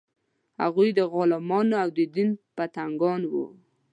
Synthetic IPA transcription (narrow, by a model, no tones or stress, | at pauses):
ha̰ɣujd̪əɣɑlɪmɑnoawd̪əd̪inpat̪aŋɡɑnwṵ